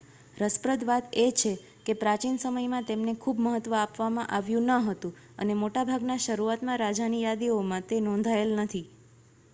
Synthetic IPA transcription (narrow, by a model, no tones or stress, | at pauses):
ɾəspɾəd̪ʋat̪et͡ʃʰe | kepɾat͡ʃinsəməjmãt̪emnekʰubməɦət̪ʋəapʋamãʔaʋjũnəɦət̪ũ | ə̰nemoʈabʱaɡnaʃəɾuat̪mãɾad͡ʒanijad̪iomãt̪enɔ̃nd̪ʱaelnət̪ʰi